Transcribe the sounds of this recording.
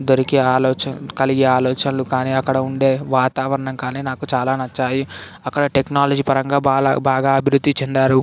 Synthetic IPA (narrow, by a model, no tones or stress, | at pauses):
d̪oɾikiaːlɔːt͡ʃɐkɐliɡeːaːlɔːt͡ʃɐnlukaːniːɐkːɐɽɐuɳɖe̞ːʋaːt̪aːʋɐɾɐɳɐŋkaːniːnaːkut͡ʃaːlaːnɐt͡ʃːaːji | ɐkːɐɽɐʈeknaːlɐd͡ʒiːpɐɾɐŋɡaːaːbaːɡaːɐbʱiɾud̪ːit͡ʃɛnd̪aːɾu